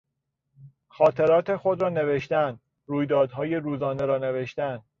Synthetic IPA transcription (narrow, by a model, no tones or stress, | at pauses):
xɒːt̪ʰe̞ɾɒːt̪ʰe̞xod̪ɾɒːne̞ve̞ʃt̪ænd̪ | ruːjd̪ɒːd̪ɦɒːje̞ɾuːzɒːne̞ɾɒːne̞veʃt̪ænd̪̥